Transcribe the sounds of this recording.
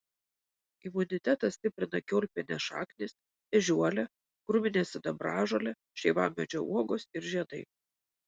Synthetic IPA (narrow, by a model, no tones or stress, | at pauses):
ɪmʊnʲɪt̪ʲæt̪ɐsʲt̪ʲɪpʲɾʲɪnɐkʲoːlʲpʲenʲɛʃɑ̰ːknʲɪsʲ | ɛʒʲuɔlʲɛ | kɾʊmʲɪnʲeːsʲɪd̪ɐbɾɑːʒoːlʲɛ | ʃʲɛɪʋɑ̰ːmmʲɛd͡ʒʲoʔṵɔɡoːsɪɾʒʲiɛd̪ɐɪ